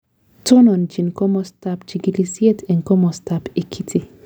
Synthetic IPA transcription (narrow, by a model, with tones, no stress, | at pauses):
to˦nɔ˨nd͡ʒi˨nkɔ˦mɔstap̚t͡ʃi˨ɡi˨li˨si˦e˦tʰɛ̃˨nkɔ˦mɔ˨stapi˨kʰi˦tʰi˨